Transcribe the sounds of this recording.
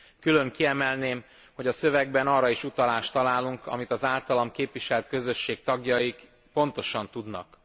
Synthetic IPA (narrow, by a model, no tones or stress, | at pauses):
kylø̞ŋkiɛmɛlneːm | ho̞ɟɒsø̞vɛɡbɛnɒːrːɒiʃut̪ɒlaːʃt̪ɒlaːluŋkɒ̰mit̪ɒzaːlt̪ɒlɒmkeːpʋiʃɛlt̪kø̞zø̞ʃːeːk̚t̪ɒɡjɒik | po̞n̪t̪o̞ʃɒnt̪ud̪nɒ̰k